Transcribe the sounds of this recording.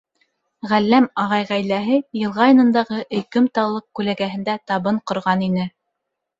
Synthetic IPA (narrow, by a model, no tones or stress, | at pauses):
ʁælːæmɑʁɑjʁæjlæɦɘjɤ̆lˠʁɑjɤ̆nɤ̆nd̪ɑʁɤʔɘ̆kɵmt̪ɑwlˠɤq̚kʉlæɡæɦɘ̆nd̪æt̪ɑβɤɴqŏɾʁɑninɘ